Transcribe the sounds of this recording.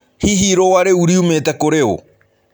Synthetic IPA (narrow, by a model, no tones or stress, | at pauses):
hiɦiɾowaɾeuɾiumet̪akoɾeo̰